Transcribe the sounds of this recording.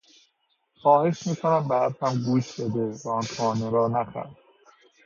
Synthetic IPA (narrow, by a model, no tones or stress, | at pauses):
xɒːhe̞ʃmiːkʰonæmbæthæmɡuːʃbed̪evæɒnt̪ʰɒːneɾɒːnæxæ̰ɾd